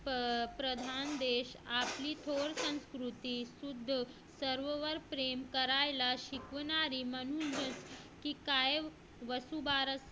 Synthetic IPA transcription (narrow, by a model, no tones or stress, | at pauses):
pɾəd̪ʱand̪eɕapliːt̪ʰoɽsə̃ñskɾut̪iːsud̪ʱː | səɾʋʋəɾpɾemkəɾajlaɕikʋnaɾiːmənunɦət͡s | kiːkaj | ʋəsubaɾəs